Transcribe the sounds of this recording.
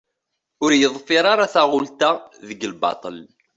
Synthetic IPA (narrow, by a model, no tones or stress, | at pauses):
ʊɾjəðˤfiɾˤaɾaθaʁʊlt̪aðəɡəlbɑ̰t̪ˤəl